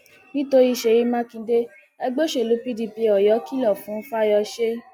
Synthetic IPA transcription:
nĩ˦to˧ɾi˦˧˨ʃe˧˨ji˨˦mã˦kĩ˧de˦ | ɛ˧ɡ͡bo˦ʃe˦˨lu˨˦pi˦di˧pi˧ɔ˨jɔ˨˦ki˦lɔ˦˨fũ˨˦fa˦jɔ˧ʃe˦

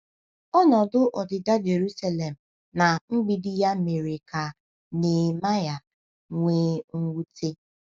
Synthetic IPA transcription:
ɔ˦nɔ˨dʊ˦ʔɔ˨dɪ˨da˦d͡ʒe˨ɾu˦sa˦le˨m̩˨ | na˨ŋ͡m̩˦ɡ͡bi˨dɪ˦ja˦me˨ɾe˨ka˨ | ne˨ma˦ja˨ | ŋʷe˦ŋ̩˦wu˦te˦

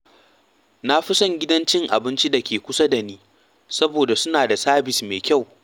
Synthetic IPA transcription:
na˦ɸɪ˦sɔ˦ŋɡʲɪ˦dɐ˦nt͡ʃɪ˦ŋʔa̰˨bɪ˦nt͡ʃi˦da˨kʲʰeː˨kʷʊ˦sa˦da˨niː˦ | sɐ˦boː˨da˨sʊ˦naː˨da˨saː˦bɪ˨smeː˨kʲa˦˨w

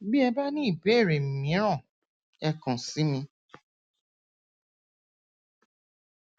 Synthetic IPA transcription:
bi˦ɛ˧ba˦nĩ˦i˦˨be˨˦˨ɾe˨m̩˨mĩ˨˦ɾ̃ã˦˨ | ɛ˧kã˨si˨˦mĩ˧

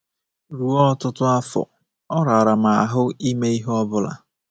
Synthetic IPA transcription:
ɾu˨ɔ˦tʊ˦tʊ˦a˦fɔ̰˨ | ɔ˦ɾa˨ɾa˨ma˨a˨ɦʊ˦i˦me˦i˦ɦɔ˦bʊ˦la̰˨

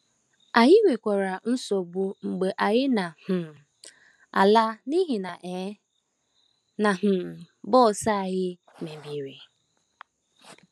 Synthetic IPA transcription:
a˨jɪ˦we˨kʷa˨ɾa˨n̩˦so˨bu˦ŋ͡m̩˨ɡ͡be˨ʔa˨ɣɪ˦na˨hʊ˨ | a̰˨la˦ni˦ɦɪ˨na˨ʔɛ˨˦ | na˨ɦʊ˨ | bɔ˦˨sa˦a˨ɣɪ˦ | me˨bi˨ɾe˨

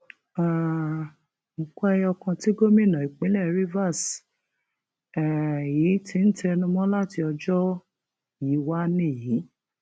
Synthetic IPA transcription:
a˦˨ | m̩˨kʷɛ˦jɔ˧kã˧ti˦ɡo˦mĩ˦˨nã˨i˨k͡pĩ˨˦lɛ˦˨ɾi˦va˦˨s | ɛ˨ji˨˦tĩ˧˦n̩˦tʰe˧nũ˧mɔ̃˦la˦ti˧ɔ˧d͡ʒɔ˦ | ji˨˦wa˦nĩ˦˨ji˨˦

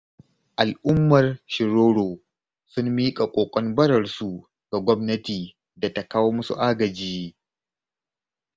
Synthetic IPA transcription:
ʔa˨lʔʊ˦mːɐ˨rʃɪ˨ɾoː˦ɽoː˨ | sʊ˦mːiː˦kʼa˨kʷʼoː˨kʷʼɔ˦nbɐ˦ɽɐ˨rsu˨ | ɡ̥a˨ɡʷɔ˦mnɐ˦tiː˨ | da˨ta˦kaː˦woː˦mʊ˦sṵ˨ʔaː˦ɡɐ˨d͡ʒiː˦

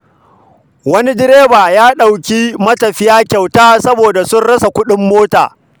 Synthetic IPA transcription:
wɐ˦ni˦dɪ˦ɾeː˦baː˨jaː˦ɗa˨wkʲiː˦mɐ˦tɐ˨ɸɪ˦jaː˦kʲa˨wtaː˦sɐ˦boː˨da˨sʊ˦nɽɐ˦sa˨kʷʊ˦ɗɪ˦mːoː˦ta̰ː˨

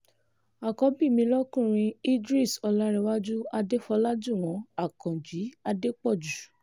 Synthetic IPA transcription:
a˨kɔ˨˦bi˦˨mĩ˧˦lɔ˦kũ˦˨ɾ̃ĩ˧i˦dɾi˦˨sɔ˧la˧˦ɾɛ˧wa˦d͡ʒu˦a˧de˦fɔ˧la˦d͡ʒu˦˨w̃ɔ̃˨˦a˦˨kɔ̃˨d͡ʒi˨˦a˧de˦k͡pɔ˦˨d͡ʒu˨

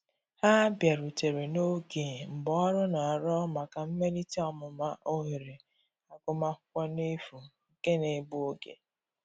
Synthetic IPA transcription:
ha˦bja˨ɾu˨te˨ɾe˨no˦ɡe˨m̩˨bɔ˨˦ɔ˦ɾʊ˦na˨ɾɔ˦ma˨ka˨m̩˦me˦li˦ti˦ɔ˨mʊ˨ma˦ʔo˦ɦi˨ɾe˨ | a˨kʊ˨ma˦kʷʊ̥˦kʷa˦ne˦fu˨ŋ̩˨ke˦ne˨bʊ˦o˦ɡḛ˨

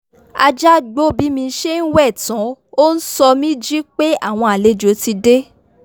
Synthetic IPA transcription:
a˧d͡ʒa˦ɡ͡bo˦bi˨˦mĩ˧˦ʃe˦n̩˦wɛ˦˨tã˨˦o˦n̩˦sɔ˧mĩ˦d͡ʒi˦k͡pe˦a˦˨w̃ɔ̃˧a˨le˨˦d͡ʒo˨˦ti˧de˦

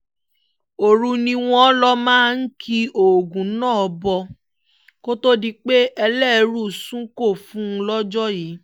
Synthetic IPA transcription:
o˨ɾu˧nĩ˧w̃ɔ̃˧˦lɔ˦mãː˦n̩˦kʰi˧o˨ɡũ˨˦nãː˦˨ɔ˧˦bɔ˧ | ko˦to˦di˧k͡pe˦ʔɛ˧lɛ˦˨˧ɾu˦˨sũ˦ko˦˨fũ˦˧lɔ˦d͡ʒɔ˦jiː˨˦

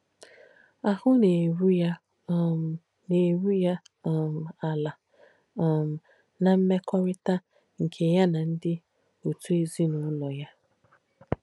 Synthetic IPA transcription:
a˨hʊ˦ne˨wu˦ja˦ | ne˨wu˦ja˦˨ | m̩˨a˨la˨ | m̩˨ | na˨m̩˦me˦kʰɔ˦ɾɪ˦ta˦ | ŋ̩˨kʰe˨ja˦na˨n̩˦dɪ˦ | o˨tu˦e˦zi˦nʊ˨˦lɔ˨ja˦

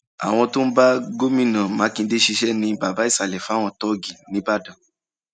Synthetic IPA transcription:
a̰˨w̃ɔ̃˧to˦n̩˦ba˦ɡo˦mĩ˦˨nã˨mã˨˦kĩ˧˦de˦ʃi˧ʃɛ˦nĩ˧˦ba˨ba˨˦i˦˨sa˨lɛ˨fa˦˨w̃ɔ̃˧tɔ˦ɡi˨nĩ˨˦ba˦˨dã˨

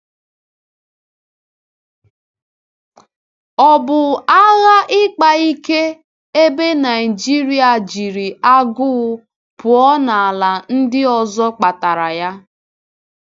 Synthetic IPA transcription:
ɔ˨bʊ˨a˦ɣa˦ʔɪ˦k͡pa˨i˦ke˦ | e˦be˦na˨i˨d͡ʒi˦ɾi˦a˨d͡ʒi˨ɾi˨a˦ɡʊ˦ | pʊ˨ɔ˦na˨a˨la˨n̩˦dɪ˦ɔ˨zɔ˦k͡pa˨ta˨ɾa˨ja˦

